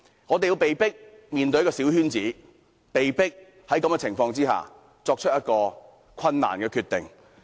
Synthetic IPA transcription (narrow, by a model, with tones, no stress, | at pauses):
ŋɔː˨˧t̪e˨ji˧wpe˨jpɪ˥k̚ | miː˨nt̪ɵ˧jkɔː˧siː˨˥whyː˥nt͡siː˨˥ | pe˨jpɪ˥k̚ | hɐ˨˥jkɐ˨˥mɡɛ˧t͡sʰɪ˨˩ŋfɔː˧ŋt͡siː˥ha̰ː˨˩ | t͡ʃɔː˧k̚t͡ʃʰt̚jɐ˥t̚kɔː˧ | kʰɐ˧nːa̰ː˨˩nkɛː˧kʰyː˧t̪ɪ˨ŋ